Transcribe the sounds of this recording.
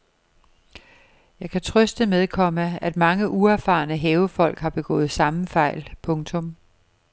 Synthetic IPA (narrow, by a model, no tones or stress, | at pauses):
jɑ̈ɪkʰæt͡sʰʁœsd̥əmeðˠkʰɒ̽məæd̥mɑ̈ŋəʔuæɐfɑ̰̈ːnəɦɛːʊfɒ̽l̰ɡ̥hɑ̈b̥e̝ɡ̥ɔ̰̽ːð̩ˠsɑ̈məfɑ̈ɪ̰lpʰɔ̽ŋt͡sʰɔ̽m